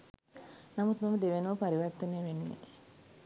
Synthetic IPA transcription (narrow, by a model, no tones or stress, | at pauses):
namut̪maməd̪eʋenəʋəpaɾiʋərt̪əneːʋenːḛ